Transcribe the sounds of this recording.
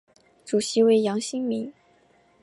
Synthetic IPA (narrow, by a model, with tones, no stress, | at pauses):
ʈ͡ʂu˨˩ɕi˧˥we˧˥ɪjɑ˧˥ŋɕi˥ŋmi˧˥ŋ